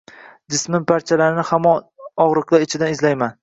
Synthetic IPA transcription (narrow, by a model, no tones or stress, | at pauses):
d͡ʒɪsmɪnpʰaɾt͡ʃʰalaɾɪnɪhamɒ | ɒʁɾɨqlˠaɪt͡ʃʰɪd̪anɪzlajman